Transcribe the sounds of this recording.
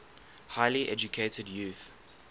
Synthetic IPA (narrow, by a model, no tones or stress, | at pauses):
haɪliʔɛd͡ʒukʰeɪtədjuθ